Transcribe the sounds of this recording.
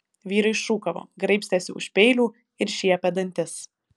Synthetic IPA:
ʋʲiːɾɐɪɪʃʃuːkɐʋo̰ːɡɾɐɪpst̪ʲɛsʲɪ̰ʊ̰ʃʲpʲɛɪlʲuː | ɪɾʃʲiɛpʲɛd̪ɐnʲt̪ʲɪs

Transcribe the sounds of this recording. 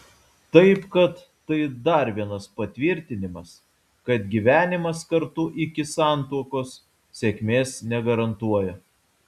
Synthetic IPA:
t̪ɐɪpkɐt̪ːɐɪd̪ɐɾʋʲiɛnɐspɐt̪ʲʋʲɪɾʲt̪ʲɪnʲɪmɐs | kɐt̪ɡʲiʋʲæːnʲɪmɐskɐɾt̪ʊʔɪkʲɪsɑˑnt̪uɔkoːs | sʲekʲmʲeːsnʲɛɡɐɾɐnt̪uɔjɛ

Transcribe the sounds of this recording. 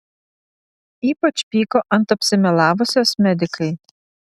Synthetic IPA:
iːpɐt͡ʃpʲiːkoːʔɐnt̪ɐpʲsʲɪmʲɛlˠɑːʋʊsʲoːsmʲɛd̪ʲɪkɐɪ

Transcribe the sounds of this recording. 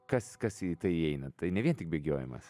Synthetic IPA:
kɐskɐsit̪ɐɪɛɪnɐt̪ɐɪnʲɛʋʲiɛnt̪ʲɪk̚bʲeːɡʲoːjɛmɐ̰s

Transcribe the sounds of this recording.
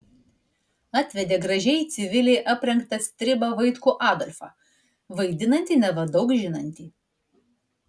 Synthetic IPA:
ɑt̪ʲʋʲɛd̪ʲeːɡɾɐʒʲɛɪt̪sʲɪʋʲɪlʲɛɪʔɐpʲɾʲɛŋkt̪ɐst̪ʲɾʲɪbɐʋɐɪt̪kuːʔɑːd̪ɔlʲfɑ̰ːˑ | ʋɐɪd̪ʲɪnɐnʲt̪ʲiːnʲɛʋɐd̪ɒʊkʒʲɪnɐnʲt̪ʲiː

